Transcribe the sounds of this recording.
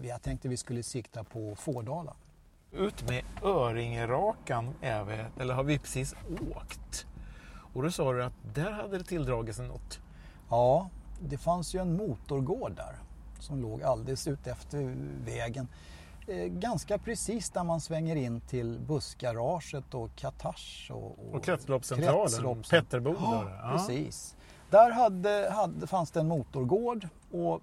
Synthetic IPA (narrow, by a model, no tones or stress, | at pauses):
vɪat̪ʰɛŋk̚t̪əvɪskɵlːəsɪkt̪apʰɔfoːɖɑːla̰n | ʉ̟ːt̪mɛœːɾɪŋəɾɑːkanɛvɪɛlːəɾhaɾvɪpʰɾɛsiːsoːkt̪ | ɔd̪ɔsɑːɾɵat̪̚d̪æɾɦad̪ːəɾɛt̪ʰɪld̪ɾɑːɡɪt̪sɛnːɔ̰t̪ː | jɑːd̪ɛfansjɵɛnmuːt̪ʊɾɡoːɖːæ̰ɾsɔmloːɡald̪ɪsʉ̟ːt̪ɛft̪əɾvɛːɡən | ɡanskapʰɾɛsiːsd̪æɾmansvɛŋːəɾɪnːt̪ʰɪlbɵsɡaɾɑːʂət̪ɔkʰat̪ʰaʂɔ̰ɔ̰ɔkkɾɛt̪lɔpːsɛnɾʰɾɑːləɔpʰɛt̪ːəɾbuːpɾɛsḭːs | d̪̥æɾɦad̪əɦad̪fansd̪ɛɛnmuːt̪ʊɾɡoːɖ | ɔ